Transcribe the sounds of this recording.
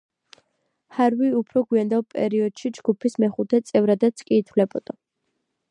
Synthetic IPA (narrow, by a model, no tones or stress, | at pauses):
haɾviupʰɾɔɡwiand̪alˠpʼɛ̰ɾiɔd̪̥ʃid͡ʒɡ̥upʰismɛχut̪ʰɛt̪sʼɛvɾad̪at̪skʼiːt̪ʰvlɛbɔd̪̥a